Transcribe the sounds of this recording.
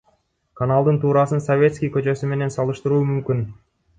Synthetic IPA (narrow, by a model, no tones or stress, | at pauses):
kʰanalˠd̪ɯnt̪ʰuːɾɑsɯnsovʲe̞t̪skʲijkø̞t͡ʃø̞syme̞ne̞nsɑlˠɯʃt̪ɯɾuːmymkyn